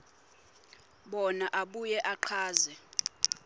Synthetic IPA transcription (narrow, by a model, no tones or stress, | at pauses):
ɓɔnaʔaɓujɛʔaǃʰaːzɛ